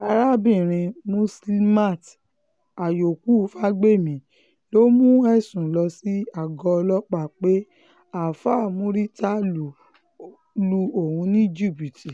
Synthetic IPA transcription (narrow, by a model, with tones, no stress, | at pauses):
a˧ɾa˦bĩ˦˨ɾ̃ĩ˧mũ˧sli˦ma˦˨t | a˨jo˨ku˦˨˦fa˦ɡ͡be˦˨mĩ˨˦ | lo˦mũ˦ɛ˦˨sũ˨lɔ˧si˦a˨ɡɔ˧lɔ˦k͡pa˦˨k͡pe˦ | a˦˨fa˦˨mũ˨˦ɾi˦ta˦lu˨ | lu˧o˨hũ˧nĩ˦d͡ʒi˦˨bi˨ti˨